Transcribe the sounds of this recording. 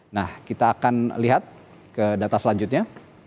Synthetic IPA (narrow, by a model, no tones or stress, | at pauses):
nahkit̪aːkanliɦat̪̚ | kədat̪asəlaɲd͡ʒut̪̚ɲa